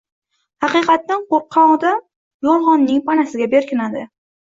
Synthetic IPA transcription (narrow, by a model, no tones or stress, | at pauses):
hɑqɨjqɑt̪ːanqoɾqʰːɑɒd̪a | jɒlˠχɒnːɪŋpʰanasɪɡʲabe̞ɾkʲʰɪnad̪ɪ